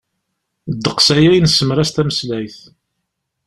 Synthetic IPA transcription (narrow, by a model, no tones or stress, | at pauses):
d̪ːəqsæjæjnsːəmɾæst̪æməslæjθ